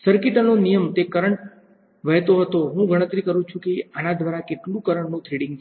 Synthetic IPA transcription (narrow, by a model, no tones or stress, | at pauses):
səɾkiʈənonijəmt̪ekəɾəɳʈ | ʋəɦt̪oɦət̪oɦũɡʱəɽ̃ət̪ɾikəɾũt͡ʃʰũkeanad̪ʋaɾakeʈlũkəɾəɳnũt̪ʰɾiɽɪ̃ŋɡ